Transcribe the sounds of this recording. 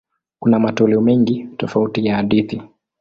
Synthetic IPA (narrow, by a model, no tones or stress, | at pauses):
kunamatɔlɛɔmɛŋɡitɔfautijahaɗiθi